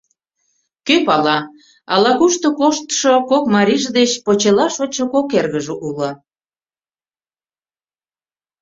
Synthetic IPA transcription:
køpɑlɑ | ɑlɑɣuʃt̪okoʃt̪ʃokokmɑɾʲiʒd̪et͡ɕpot͡ɕelɑʃot͡ɕokokerɣəʒeʔulə̆

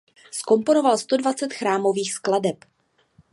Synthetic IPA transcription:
sko̞mpo̞no̞valst̪o̞dvat͡sɛt̪xɾaːmo̞viːxskladɛp

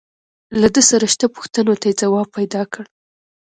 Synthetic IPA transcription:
lad̪əsaɾaʃt̪apu̥xt̪ənot̪ajed͡zawɑb̚pajd̪ɑkəɽ

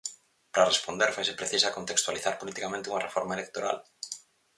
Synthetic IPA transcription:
pɾarespond̪eɾfajsepɾeθisakont̪ekst̪waliθaɾpolit̪ikamẽnt̪ɪuŋɐrefɔɾmaelek̚t̪oɾa̰l

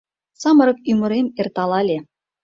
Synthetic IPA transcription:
sɑmɤ̆ɾɤ̆k̚ymɤ̆ɾemert̪ɑlˠɑlʲe

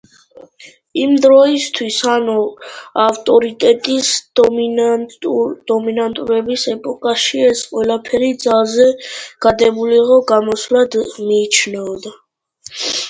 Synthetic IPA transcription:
imd̪ɾɔist̪ʰwisanuaft̪ʼɔɾit̪ʼɛt̪ʼis | d̪̥ɔminant̪ʼuɾɛbisɛpʼɔkʼaʃiɛsqʼwɛlapʰɛɾid̪zalˠzɛɡ̥ad̪ɛbuliʁɔɡamɔslad̪miːt͡ʃʰnɛɔd̪a

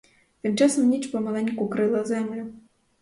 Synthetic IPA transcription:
t̪ɨmt͡ʂasɔmnʲit͡ʃpɔmɐlˠɛnʲkʊkɾɨlˠɐzɛmlʲʊ

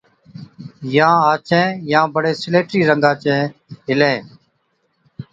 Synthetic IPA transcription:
jãːaːt͡ʃʰɛ̃ːjãːbəɽeːsɪleːʈɾiːɾə̃ŋɡaːt͡ʃɛ̃ːɦɪlẽː

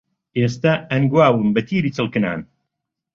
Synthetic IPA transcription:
ʔeːst̪aɐnɡwaːwɨmbɐt̪ʰiːɾiːt͡sɨlˠkɨna̰ːn

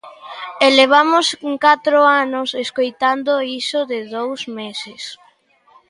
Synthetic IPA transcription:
eleβ̞amʊsŋkat̪ɾoanʊseskojt̪and̪oisʊðɪðowzmesɪs

